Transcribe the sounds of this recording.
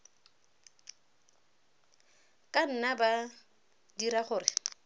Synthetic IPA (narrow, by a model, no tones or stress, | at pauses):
kʼan̩naba | diɾaχʊːrɪ